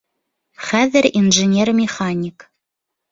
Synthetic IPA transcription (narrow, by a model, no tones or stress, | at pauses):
χæzɛrinʐenʲermʲeχɑnʲik